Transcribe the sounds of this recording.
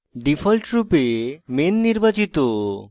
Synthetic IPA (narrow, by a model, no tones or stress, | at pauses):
ɖifʰɔlʈɾupemenːiɾbat͡ɕit̪o